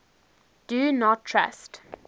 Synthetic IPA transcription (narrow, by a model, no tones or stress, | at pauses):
d̥unɔtʰːɹa̰st